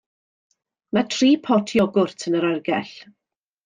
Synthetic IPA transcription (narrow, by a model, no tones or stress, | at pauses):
matʰriːpʰɔtʰjɔɡʊrtʰənəɾarɡɛɬ